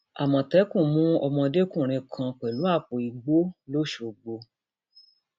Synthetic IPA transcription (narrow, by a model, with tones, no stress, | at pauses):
a˨mɔ̃˨tɛ˨˦kũ˦˨mũ˦ɔ˧mɔ̃˧de˦kũ˦˨ɾ̃ĩ˧kʰã˧k͡pɛ˨lu˨˦a˦˨fo˨i˨ɡ͡bo˦lo˦ʃo˨ɡ͡bo˧